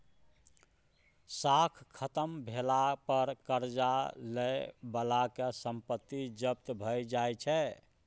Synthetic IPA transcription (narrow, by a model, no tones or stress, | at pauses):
sakʰkʰət̪əmbʱelapəɾkəɾd͡ʒalebəlakesəmpət̪ːid͡ʒəp̚t̪bʱəjd͡ʒajt͡ʃʰɛ